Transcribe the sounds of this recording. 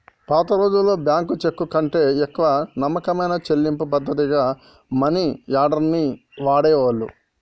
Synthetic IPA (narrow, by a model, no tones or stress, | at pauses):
paːt̪ɐɾo̞ːd͡ʒulːo̞ːbjaːŋkut͡ʃekːukɐɳʈe̞ːɛkːɐʋɐnɐmːɐkɐmɐjnɐt͡ʃelːimpupɐd̪ːɐt̪̬iɡaː | mɐnijaːɾɖɐɾni | ʋaːɽɛːʋɐlːṵ